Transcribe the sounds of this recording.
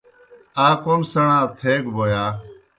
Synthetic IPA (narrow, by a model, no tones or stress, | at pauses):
aːkoːnsəɳãːt̪ʰeːɡboːjaː